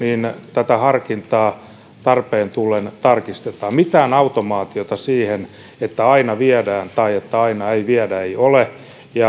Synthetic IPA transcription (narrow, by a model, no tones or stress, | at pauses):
niːnt̪æt̪æhɑrkint̪ɑː | t̪ɑrpeːnt̪ulːent̪ɑrkist̪et̪ɑːmmit̪æːnɑut̪omɑːt̪iot̪ɑsiːhen | et̪ːæɑinɑʋiædæːnt̪ɑiet̪ːæɑinɑeiʋiædæeiole | jɑ